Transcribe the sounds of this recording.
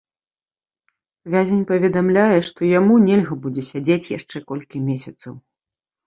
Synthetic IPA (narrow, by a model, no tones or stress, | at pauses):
vʲazʲenʲpɐvʲɛd̪amlʲajɛʂt̪ɔjamunʲɛlʲɣɐbud͡zʲɛsʲad͡zʲet͡sʲja̰ʂt͡ʂɛkɔlʲkʲimʲesʲɐt̪sɐw